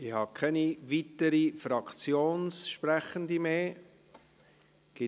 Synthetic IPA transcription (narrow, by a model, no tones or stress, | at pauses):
ɪhɑkʰɛniʋit̪əɾifɾɑkʰt͡sjoːnsʃpɾæχənd̪imeː | ɡ̥ɪ